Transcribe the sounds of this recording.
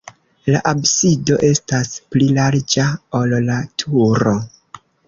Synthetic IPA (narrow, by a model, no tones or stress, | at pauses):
laʔabsido̞ʔe̞stasplilaɾd͡ʒaolːatʰuɾo̞